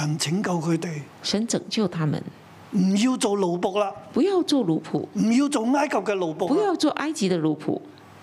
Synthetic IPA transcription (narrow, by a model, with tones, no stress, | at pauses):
ɐ˨˩nt͡sʰɪ˨˥ŋkɐ˧wkʰɵ˨˧ɥt̪e˨j | ʂə˨˧˥nt͡sɤ˨˩ŋt͡ɕjo˥˩ʊt̪ʰa˥mə̰˨n | m̩˨˩jiː˧wt͡so˨wlo˨wpʊ˧˥k̚laː˧pu˧˥jɑ˥˧ʊt͡swɔ˥˩lu˧˥pʰṵ˨˩m̩˨˩jiː˧wt͡so˨wŋaː˥jkʰɐ˨p̚kɛː˧lo˨wpʊ˧pu˨˧˦jɑ˥˧ʊt͡swɔ˥˧ʔa˥ɪt͡ɕi˧˥d̪ə˧lu˧˥pʰṵ˨˩˦